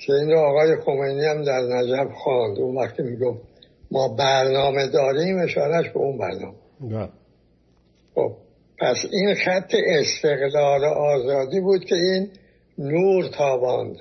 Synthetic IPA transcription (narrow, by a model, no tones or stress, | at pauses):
kʲʰe̞inɾoɒːɣɒːjexo̞mejniæmd̪æɾnæd͡ʒæfxɑnd̪unvæxt̪ʰimiɡoft̪ | mɒːbæɾnɒːme̞d̪ɒːɾiːme̞ʃɒːɾæʃbḛunbæ̰ɾnɒ̰ːme | xo̰b̚ | pʰæsinxæt̪ʰːe̞ʔest̪ʰe̞ɣlɒːɾoʔɒːzɒːd̪iːbuːd̪̚kʲʰe̞iːnː | uːɾt̪ʰɒːbɒnd̪